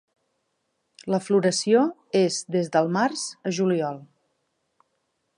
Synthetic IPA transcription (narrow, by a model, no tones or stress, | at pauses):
ləfluɾəsioezd̪ezðəlˠmarz̥əʒuliɔlˠ